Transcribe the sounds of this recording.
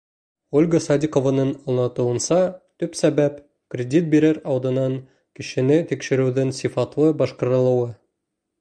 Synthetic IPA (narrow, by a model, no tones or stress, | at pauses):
olʲɡəsɑd̪ʲikovɑnɤnŏlˠɑt̪ɤ̆wɤ̆nsɑt̪ɵpsæbæp | krʲɪdʲit̪̚biɾɘɾɒwd̪ɤ̆nɑŋ | kɘ̆ɕɘ̆nɘt̪ikʃɘ̆ɾʉwðɘŋsifɑt̪lˠɤbɒʃqɤ̆ɾɤ̆lˠɤ̆wɤ